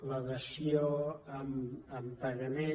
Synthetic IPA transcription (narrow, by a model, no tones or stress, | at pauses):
ləðəsioəməmpəɣəme